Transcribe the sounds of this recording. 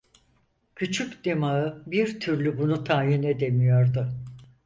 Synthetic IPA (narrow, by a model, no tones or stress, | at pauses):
cʰyt͡ʃʰykd̪emaɯbiɾt̪ʰyɾlʲybunut̪ʰaːjined̪e̞mijoɾd̪ʊ